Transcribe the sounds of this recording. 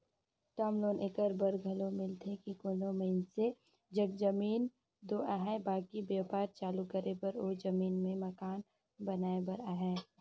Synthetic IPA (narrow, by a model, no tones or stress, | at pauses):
ʈaːmloːnʔekəɾbəɾɡʱɐlomɪlt̪ʰekikoːnoməɪnse | d͡ʒɐɡ̚d͡ʒɐmiːn | d̪oːʔaːɦɛbaːkibjaːpaːɾt͡ʃaːlukəɾebɐɾoːɾzɐmiːnmẽmɐkaːn | bɐnaːebəɾaːɦɛː